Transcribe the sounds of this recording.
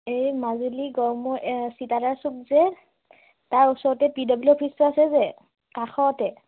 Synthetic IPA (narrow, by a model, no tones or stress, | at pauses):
ejmazuliɡɔɹmɔsitaɾaɹsuk̚zɛ | taɹusɔɹɔtɛpidɔblɔpʰisɔasɛzɛ | kaxɔtɛ